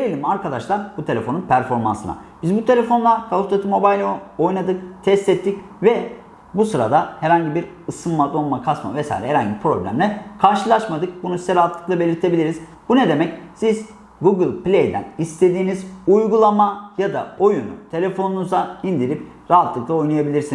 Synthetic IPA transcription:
eɾelʲimaɾkʰad̪aʃlˠaɾbut̪ʰe̞lʲefo̞nunpʰæɾfo̞ɾma̰nsɯna̰bizbut̪ʰe̞lʲe̞fo̞nlˠakʰalˠut̪ʰat̪ʰɯmo̞bajlʲo̞jnad̪ɯkt̪ʰɛst̪ɛt̪ʰːic | vɛ | busɯɾa̰d̪ahɛɾhaɲɟibiɾ | ɯsɯnmad̪o̞nˠmakʰasma̰vɛsa̰iɾɛ̰ɛɾhaɲɟibipʰɾo̞̰blʲæ̰mlʲɛkʰaɾʃɯlˠaʃmad̪ɯk̚bunusizɛɾaɦat̪ʰlˠɯklˠabe̞lʲiɾt̪ʰe̞bilʲiɾiz̥ | buned̪e̞mɛcsiz | ɡuɡɯlʲˠplʲejd̪æ̰nist̪ʰe̞d̪iːnizujɡulˠamajad̪a̰o̞junṵt̪ʰe̞lʲefo̞nunuzaind̪iɾip̚ | ɾaɦat̪ʰlˠɯklˠao̞jnajabilʲiɾsin

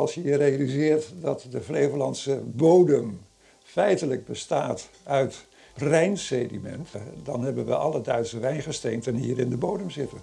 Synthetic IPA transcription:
ɑlˠsjəjərejalizɪːɹtdɑtdəvlejvəlɑnsəbowdəm | fɛjtələɡ̚bəstaːtœɥt | rɛjnsedimɛ̰ntdɑnɦɛbənʋə̰ʔɑ̰lədœɥtsəʋɛjnχəstejntɛnɦḭːɾɪndəbowdəmzɪtə

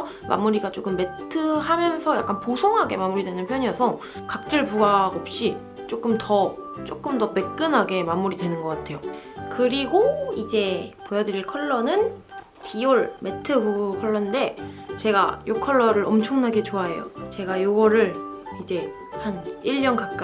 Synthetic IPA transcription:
mʔa̰muɾiɡat͡ɕ͈ok͈ɯmːe̞tʰɯamjʌnsʰʌja̰k͈anposʰoŋɦaɡe̞mamuɾidwe̞nɯnpʰjʌɲiʌsʰʌ | kak̚t͡ɕ͈ɯɭpuɡaɡʌp̚ɕ͈i | t͡ɕ͈ok͈ɯmtʌt͡ɕ͈ok͈ɯmdʌme̞k͈ɯnɦaɡe̞mamuɾidwe̞nɯnɡʌk͈atʰe̞jokɯɾiɡoid͡ʑe̞pojʌdɯɾiɭkʰʌɭːʌnɯn | tioɭme̞tʰɯbukʰʌɭːʌnde̞t͡ɕe̞ɡa̰jokʰʌɭːʌɾɯɾʌmt͡ɕʰʌŋnaɡe̞t͡ɕoae̞̰jo̰t͡ɕe̞ɡajoɡʌɾɯɭid͡ʑe̞ | haniɭːʌnkakk͈a

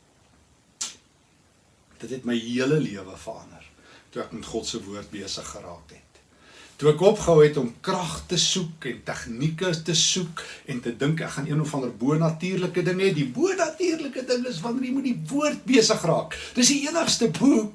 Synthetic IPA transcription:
d̥ətɦɛtməjɦiələliəvəfə̰rɐ̰ndə̰r | tuækmətχɔtsəvuərt̚biəsəχːəɾɑ̰ːkɦɛtː | uækɔpχəɦɐwɛtɔmkrɐχtəsukɛntæχnikətəsukɛntədəŋkækχɑniənɔfɐndərbuənɐtiːrləkədəŋɦɛdibuənɐtiːrləkədəŋəsvɐnərjimut̚divuərt̚biəsəχrɑːkd̥əs̬iiənəχstəbu

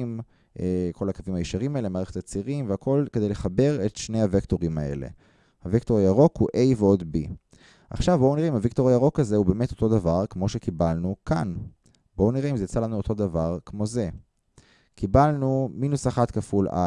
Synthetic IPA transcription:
m | ʔekʰo̞lakavimhajiʃaʁimaelemaːʁeχetat͡siʁimveako̞lked̪ejle̞χabe̞ʁe̞t̪ʃnehavekto̞ʁimae̞̰le̞̰ | havektoʁjaʁo̞khuʔe̞jveo̞d̪bi | ʔa̰χʃavbowniʁeimhaviktoʁajaʁo̞kazeube̞ːme̞to̞̥t̪o̞d̪avaʁkmo̞ʃe̞kibalnukan | boniʁeimzejat͡salanuot̪ʰod̪avaʁkmo̞ze̞ | kibalnuminusaχatkafula̰

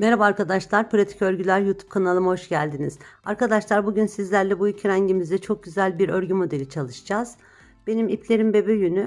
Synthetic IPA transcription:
meɾabaːɾkad̪aʃlˠaɾpʰɾat̪ʰi̥cøɾʲɟylʲæɾjut̪ʰu̥p̚kʰanalˠɯmho̞ʃɟælʲd̪iniz̥aɾkad̪aʃlˠaɾbuɟynsizlʲæɾlʲɛbujycʰyɾæɲɟimizd̪ɛt͡ʃʰo̞k̚ɟyzælʲbiɾøɾɟymo̞d̪e̞lʲit͡ʃʰalˠɯʃd͡ʒaz̥ | be̞nimipʰlʲe̞ɾimbebeøjyny

